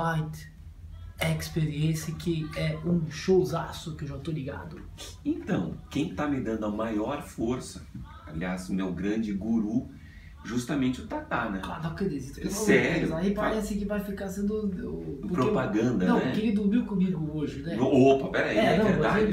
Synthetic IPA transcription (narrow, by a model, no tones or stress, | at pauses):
lajt̪ | ɛkspeɾiẽsɐkɪɛũʃowzasʊkɪewʒat̪oliɡa̰d̪ʊ | ẽnt̪ɐ̃w̃kẽj̃t̪amɪd̪ɐ̃d̪ʊɐmajɔɾfoɾsɐ | a̰liasmewɡɾɐ̃d͡ʒɪɡuɾu | ʒust̪ɐmẽt͡ʃɪʊt̪at̪anɛ̃a̰d̪apʊked̪ezist̪ʊksɛɾjʊ̃ipaɾɛsɪkɪvajfikasẽnd̪ʊpʊɾpɾoepaɡɐ̃nd̪ɐnɐ̃w̪̃ɛkẽlɪd̪uɾmiwkõmiɡʊoʒɪnɛopɐpɛɾaiɛɛɐ̃vẽɾd̪ad͡ʒ